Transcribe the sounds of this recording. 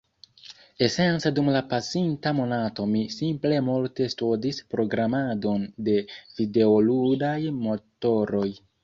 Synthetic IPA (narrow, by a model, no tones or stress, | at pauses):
e̞se̞nsadumlapasintamo̞nato̞misimple̞multe̞studispɾo̞ɡɾamado̞nde̞vide̞oludajmo̞to̞ɾo̞j